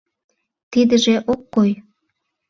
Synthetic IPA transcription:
t̪id̪əʒeʔokːoj

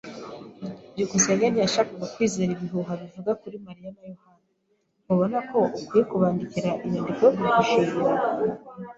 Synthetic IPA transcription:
ɟukuseɲɡanijaʃaːkaɡakwiːzeɾiβiɦuɦaβivuɡakuɾimaɾijanajohana | ŋoβo̞nako̞ukwiːjekuβaːndiciɾaʔiβiːndiɡjoβiiɡuʃiʒuɾa

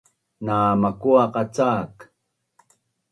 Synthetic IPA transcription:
naːmakuaqɑt͡saːk

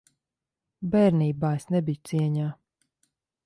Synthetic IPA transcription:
bɛːɾniːbaːesnɛbijut̪siɛɲaː

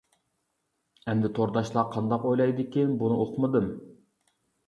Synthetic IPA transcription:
ɛnd̪ɪt̪ʰoɾd̪ɑʃlˠɑqʰɑnd̪ɑqojlˠɑjd̪ɪkʲinbunɨoqʰmɨd̪ɨm

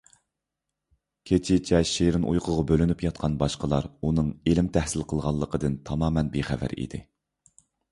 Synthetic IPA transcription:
kʲʰet͡ʃʰɪt͡ʃʰɛʃeɾɪnʔṵjqʰəʁɑbølynypjɑt̪̚qʰɑnbɑʃqəlˠɑɾunɨŋelɪmt̪ʰæhsɪlqʰəlˠʁɑlˠːəqʰəd̪ɨnt̪ʰɑmɑːmɛnbeχæ̰væ̰ɾḭd̪ɪ̰

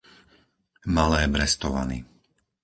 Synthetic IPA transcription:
malɛːbɾɛst̪ɔʋa̰nḭ

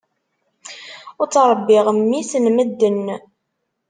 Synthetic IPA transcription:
ʊt͡sːɾˤəbːɪʁəmːiθənməd̪ːənː

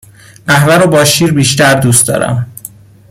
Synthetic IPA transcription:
ʔæhvæɾobɒːʃiːɾbiːʃt̪æɾd̪uːst̪d̪ɒ̰ːɾæ̰m

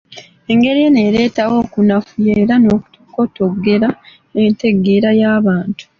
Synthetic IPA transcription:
e̞ŋɡe̞ɾije̞ne̞ɾe̞ːtawo̞ːkunafujeːɾano̞ːku̥tʰoko̞tokuɡe̞ɾa | ente̞ɡeːɾajaːβaːntu̥

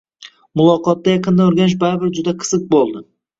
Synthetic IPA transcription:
mʊlˠɒqɒt̪ːajɑqɨnd̪aoɾɡʲanɪʃ̬baɾbɪɾd͡ʒʊd̪aqʰɨ̥z̥ɨq̚bolˠd̪ɪ

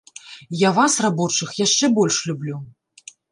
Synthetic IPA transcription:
javasrabɔt͡ʂɨxjaʂt͡ʂɛbɔlʲʂlʲublʲu

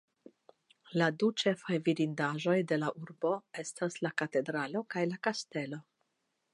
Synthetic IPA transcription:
ladut͡ʃe̞fajviɾindaʒo̞jde̞laʔuɾbo̞e̞staslakate̞dɾalo̞kajlakaste̞lo̞

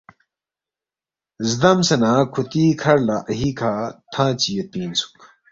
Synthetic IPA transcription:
zd̪ɐmsɐnãːkʰut̪iːkʰɐɾlaʔɐɦiːkʰaːt̪ʰãːt͡ɕijet̪̚piːnsʰu̥k

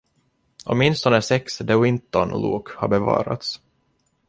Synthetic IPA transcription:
ʔɔ̰mɪnst̪ɔnəsɛksd̪əwɪnt̪ːɔnlṵːkha̰ɾbɛvɑ̰ːɾa̰t̪s

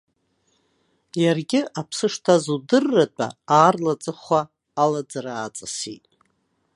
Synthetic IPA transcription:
jarɡʲɪapʰsɨʂtʰazudɨrːat͡pʼa̰aːrlat͡sʼɨχʷaː | lad͡zaraːt͡sʼasḭtʼ

